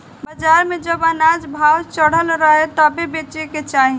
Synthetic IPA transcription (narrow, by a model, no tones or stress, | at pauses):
bəd͡ʒaɾmed͡ʒəbənad͡ʒbʱawt͡ʃəɽ̤əlɾəɦet̪əbebet͡ʃeket͡ʃaɦi